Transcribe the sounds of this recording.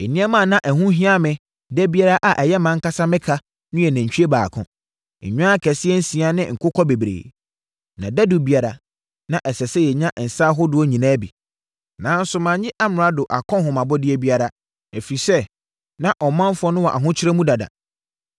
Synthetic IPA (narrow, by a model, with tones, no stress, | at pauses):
e˨nĩ˦ɛ˦mã˨nã˦ʔɛ˨ɦũ˦ɦĩ˦a˦mɪ̃˨ | dɛ˦bi˦a˦ɾa˦ʔa˨ʔɛ˨jɛ˦mã˦ŋ̩˦ka˦sa˦mɪ̃˦kʰa˦ | nʊ̃˦jɛ˨næ̃˨ɲ̩˨t͡ɕᶣi˦e˦baː˨kʰʊ̰̃˨ | ɲᶣʊ̃˦a˦kʰɛ˨sɪ˦ɛ˦n̩˦sĩ˨a˦nɪ̰̃˦ŋ̩˨kʰʊ˦kʰɔ˦be˨bɾḛː˨ | nã̰˨dæ˦du˨bi˦a˨ɾa˨ | nã˦ʔɛ˨sɛ˨sɛ˦jɛ˨ɲã˦ʔn̩˨sa˦ɦʊ˦dʊ˦ɔ˦ɲĩ˨nãː˦bḭ˨ | nãː˨˦n̩˦sʊ˦mã˨ɲɪ̃˦ʔa˦mʊ̃˨ɾ̃a˦dʊ˨ʔa˨kʰɔ̃˦ɦʊ̃˨mã˨bɔ˦dɪ˦e˦bi˦a˦ɾa˨ | e˨fi˨sɛ˦ | nã˦ʔɔ˨mã˦m˦fʊ˨˦ɔ˦nʊ̃˦wɔ˨ʔa̰˨ɦʊ̃˦t͡ɕʰɪ˦ɾɛ˦mũ˦da˨da̰˨